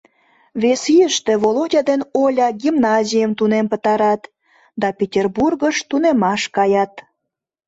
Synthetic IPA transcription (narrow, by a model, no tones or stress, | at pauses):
βesijəʃt̪eβolodʲɑd̪enolʲɑɡimnɑzʲijəmt̪unempət̪ɑɾɑt̪ | d̪ɑpʲetʲerburɣəʃt̪unemɑʃkɑjɑt̪